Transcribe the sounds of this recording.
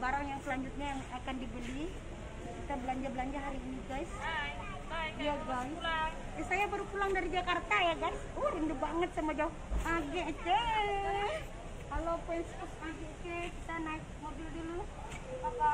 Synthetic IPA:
baɾaŋjaŋsəlaɲd͡ʒut̪̚ɲajaŋakandibəli | kit̪abəlaɲd͡ʒabəlaɲd͡ʒaɦaɾiːniɡas | jaɡa | jasajabaɾupulaŋdaɾid͡ʒakart̪ajaɡasuhindubaŋət̪̚samad͡ʒau | aɡeʔkɛ | kalopuɛnskusaɡekɛkit̪anaɪk̚mobɪldilu

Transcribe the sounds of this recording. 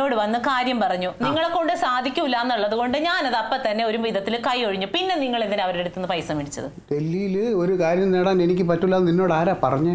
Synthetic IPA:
o̞ːɽɨʋɐnːɨkaːɾjɐmpɐrɐɲːuniŋːɐɭekːo̞ɳɖɨsaːd̪ʱikʲːumilːaːnːɐɭːɐðuɣo̞ɳɖɨɲaːnɐðɐpːɐt̪ːɐnːe̞o̞ɾumʋiðɐt̪ːilkɐjoɻiɲːupinːe̞niŋːɐɭenːineɐʋɐɾeɽut̪ːunːɨpɐjsɐmʋiɳit͡ɕːɐ̰ðɨ̰ɖe̞lːijilɨo̞ɾukaːɾjɐmneːɽaːne̞nikʲːɨpɐtːulːaːninːo̞ːɽaːɾaːpɐrɐɲːɨ

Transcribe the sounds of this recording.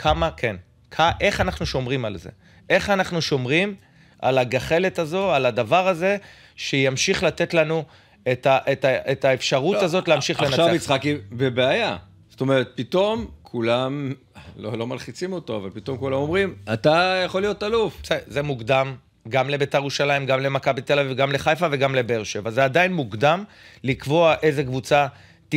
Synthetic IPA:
kʰamakʰe̞n | kʰaʔe̞χanaχnuʃo̞mʁimalze̞̰ | ʔe̞χanaχnuʃo̞mʁim | ʔa̰laɡaχe̞le̞tazo̞alad̪avaʁaze̞ | ʃejamʃiχlat̪e̞tlanu | etaʔetaʔet̪aefʃaʁut̪azo̞t̪leamʃiχlenaʃavvit͡sχakibebeaja | st̪o̞meʁet̪̚pit̪o̞mkʰulam | lolo̞malχit͡simo̞to̞ava̰lpit̪o̞mkulamomʁimat̪ajaχolːijo̞t̪alufseze̞muɡd̪am | ɡamle̞beteʁuʃalaimɡamle̞makabit̪elavivɡamle̞χajfave̞ɡamle̞beʁʃevazeadajinmuɡd̪am | likvo̞aʔe̞ze̞kvut͡sa | t

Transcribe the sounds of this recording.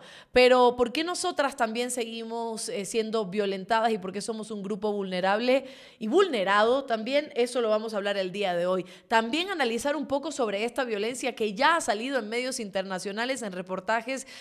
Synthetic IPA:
pe̞ɾo̞po̞ɾke̞no̞so̞t̪ɾast̪ambje̞nse̞ɣimo̞sesje̞nd̪o̞βjo̞le̞nt̪aðasipo̞ɾke̞so̞mo̞suŋɡɾupo̞βulne̞ɾaβle̞ | iβulne̞ɾaðo̞t̪ambje̞ne̞so̞lo̞β̞amo̞s̬aβlaɾe̞ld̪iað̞e̞o̞j | t̪ambje̞ŋanalisaɾumpo̞ko̞so̞β̞ɾe̞e̞st̪aβjo̞le̞nsjake̞ʝaasalið̞o̞e̞ŋme̞ðjo̞sint̪e̞ɾnasjo̞nale̞se̞nre̞po̞ɾt̪axe̞s

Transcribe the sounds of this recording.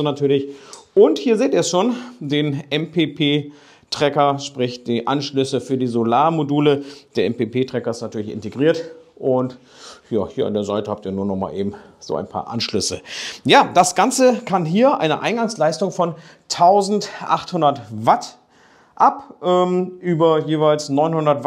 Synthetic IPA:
natʰyːɐlɪçʔʊnthiːɐzeːtiːɐʃoːndeːnʔɛmpʰeːpʰeː | tʁ̥ɛkɐʃpʁ̥ɪçd̥iːʔanʃlʏsəfyːɐdiːzolaːɐmoduːləd̥eːɐɛmpeːpeːtʁ̥ɛkɐɪstnatʰyːɐlɪçɪ̰nteɡʁiːɐtʔʊnt | jaːhiːɐa̰ndeːɐzaɪtəhaptiːɐnuːɐnɔχma̰ːlʔeːbm̩z̥o̰ːʔa̰ɪnpʰa̰ːɐʔa̰nʃlʏsəjaːd̥asɡ̥ant͡səkʰanɦiːɐʔa̰ɪnəʔa̰ɪnɡaŋslaɪstʊŋfɔn | tʰaʊzn̩tʔa̰χthʊndɐtvat | ʔapʔɛːmʔyːbɐjeːvaɪlsnɔʏnhʊndɐtv

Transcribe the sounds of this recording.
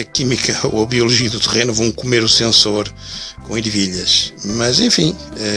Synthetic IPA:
ɐkimikʰɐ̰oɐβiulˠuʒiɐðut̪ɨʁenuvɐ̃w̃kumeɾusẽsoɾ | kõiɾviʎɐʃmɐzẽfĩɛ

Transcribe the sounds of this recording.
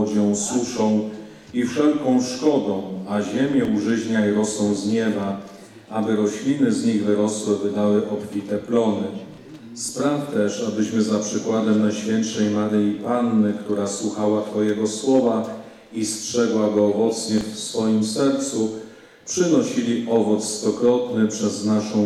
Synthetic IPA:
d͡ʑɔ̃w̃suʂɔ̃w̃ | ifʂɛlkɔ̃w̃ʂkɔd̪ɔ̃w̃aʑemʲjɛuʐɘʑɲajiɾɔswɔ̃w̃zɲɛba | abɘɾɔɕlʲinɘzɲiɣvɘɾɔswɘvɘd̪awɘʔɔpfʲit̪ɛplɔnɘ | spɾaft̪ɛʂabɘɕmɘzapʂɘkwad̪ɛmnajɕfʲjɛntʂɛjmaɾɘipanːɘkt̪uɾaswuxawatɔjɛɡɔswɔva | istʂɛɡwaɡɔːvɔt̪sɲɛfsfɔjimsɛɾt̪su | pʂɘnɔɕilʲiʔɔvɔt̪sst̪ɔkɾɔt̪nɘpʂɛznaʂɔ̃w̃

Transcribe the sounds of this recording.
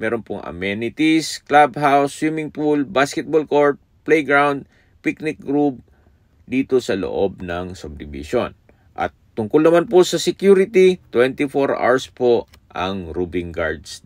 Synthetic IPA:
mɛːɾonpʊŋʔɐ̰mɛnɪt̪isklabɦawswimɪŋpulbaskɛt̪̚bolkoɹt̪̚plɛjɡɹawnd̪̚ | piknɪk̚ɡɾup̚ | d̪iːt̪o̞sɐlo̰ʔo̞b̚nɐŋsʊb̚d̪ɪbɪ̰ʃon | ʔɐ̰t̪ːʊŋkʊlnɐmanposɐsɛkjuɾɪt̪it̪wɛnt̪ɪfoɹʔa̰ɹspo | ʔɐŋɾubɪŋɡa̰ɹd̪s

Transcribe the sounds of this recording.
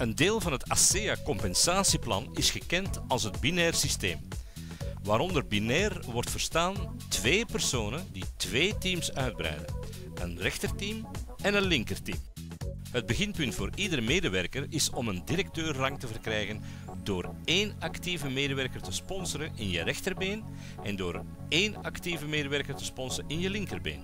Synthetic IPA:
əndeːlˠvɑnɦətaseakɔmpɛnsaːsiplɑ̰nɪsxəkɛntɑlˠsɦədbinɛːrsistḛːm | ʋaːɾɔndərbinɛːrʋɔrtfər̥staːn | tʋeːpərsoːnənditʋeːtimsœɥd̚bɾœ̰ːdə̰n | ənrɛxtərtim | ɛnənlɪŋkərtḭːm | ɦəd̚bəɣɪnpɵntfoːɾidəɾəmeːdəʋɛrkərɪsɔməndiɾɛk̚tøːrːɑŋtəvərkrɛːjɣən | doːreːnɑktivəmeːdəʋɛrkərtəspɔnsəɾənɪnjərɛxtərbeːn | ʔɛndoːr | eːnɑktivəmeːdəʋɛrkərtə̥spɔnsəɪnjəlɪŋkərbḛːn

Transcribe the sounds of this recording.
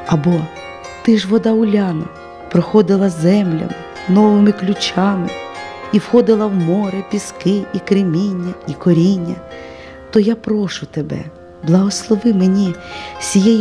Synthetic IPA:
ɐbɔ | t̪ɪʒʋɔd̪ɑʊlʲɑnɐ̰ | pɾɔxɔd̪ɪlˠɐzɛmlʲɐ̰mɪ | nɔʋɪmɪklʲʊt͡ʃɑmɪiwxɔd̪ɪlˠɐwmɔɾepʲiskɪikɾɪmʲinʲːɐikɔɾʲinʲːɐ | t̪ɔjapɾɔʃʊt̪ebɛ̰ | blˠɐɦɔslˠɔʋɪmenʲisʲijɛj

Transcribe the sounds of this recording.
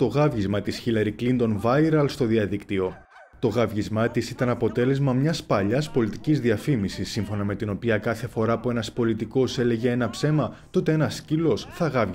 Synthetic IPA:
t̪o̞ɣɐvʝizmɐt̪isçilɐɾiklind̪o̞nvɐiɾɐlst̪o̞ðiɐðikt̪io̞ | t̪o̞ɣɐvʝizmɐt̪isit̪ɐnɐpo̞t̪e̞le̞zmɐmɲɐspɐʎɐspo̞lit̪icizðiɐfimisisːiɱfo̞nɐme̞t̪ino̞piɐkɐθe̞fo̞ɾɐpue̞nɐspo̞lit̪iko̞se̞le̞ʝe̞enɐpse̞mɐt̪o̞t̪e̞e̞nɐscilo̞sθɐɣɐv

